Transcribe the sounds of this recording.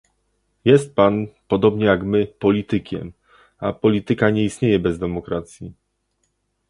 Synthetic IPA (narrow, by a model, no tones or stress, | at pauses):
jɛst̪̚panpɔd̪ɔbɲɛjaɡmɘpɔlʲit̪ɘkʲɛ̰m | apɔlʲit̪ɘkaɲɛist̪ɲejɛbɛzd̪ɛmɔkɾat̪sʲji